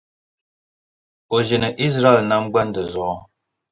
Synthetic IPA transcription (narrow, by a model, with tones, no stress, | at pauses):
o˨ʒe˨nə˨ʔi˦s̬ɾa˦ɛ˨lna˦m˦bwa˦ndə˨zɔ˨˦